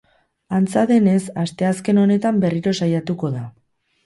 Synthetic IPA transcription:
ant͡saðe̞ne̞sast̪e̞aske̞no̞ne̞t̪ambe̞riɾo̞sajat̪uko̞ða

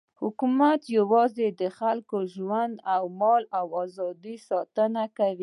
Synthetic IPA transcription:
hʊkumat̪jawɑzed̪əxalkoʒwand̪awmɑlawɑzɑd̪isɑt̪ənakawi

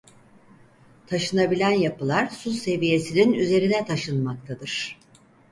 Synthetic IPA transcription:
t̪ʰaʃɯnabilʲænjapɯlˠaɾsuse̞vije̞sininyze̞ɾinɛt̪ʰaʃɯnmak̚t̪ʰad̪ɯɾ̥

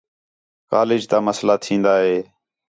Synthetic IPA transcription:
ka̰ːlɪd͡ʒt̪aːməslaːt̪ʰĩːnd̪aːɦeː

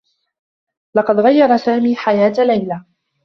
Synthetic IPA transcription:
lɑqɑd̪ɣajːɑɾˤɑsaːmiːħajaːt̪lajla

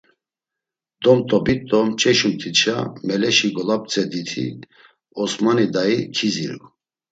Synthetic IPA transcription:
d̪ɔmt̪ʼɔbit̪ʼɔmt͡ʃʼɛʃumt̪ʰit͡ʃʰamɛlɛʃiɡɔlap̚t͡sʼɛd̪it̪ʰḭ | ɔsmanid̪aikʰizḭɾ

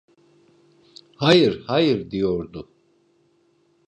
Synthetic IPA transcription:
hajɯɾhajɯɾd̪ijoɾd̪ʊ

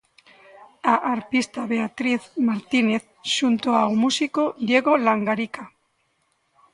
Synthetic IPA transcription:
aʔaɾpist̪aβe̞at̪ɾiθmaɾt̪ine̞θː | unt̪oawmusikod̪je̞ɣo̞laŋɡaɾika

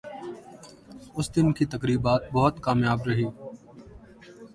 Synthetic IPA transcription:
ʊsd̪ɪnkiːt̪əkɾiːbaːt̪̚bɔːət̪kaːmjaːbɾəɦiː

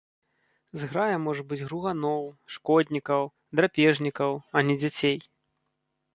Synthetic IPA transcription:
zɣɾajɐmɔʐɐbɨd͡zʲɣɾuɣanɔwʂkɔd̪ʲnʲikɐw | d̪ɾapʲɛʐnʲikɐwɐnʲɛd͡zʲat͡sʲej

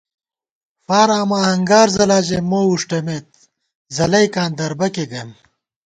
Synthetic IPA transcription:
faːɾaːmaːhɐŋɡaːɾzɐlaːʑemoːuʂʈɐmeːt̪̚ | zɐlɐjkaːnd̪ɐɾbɐkeɡɐm

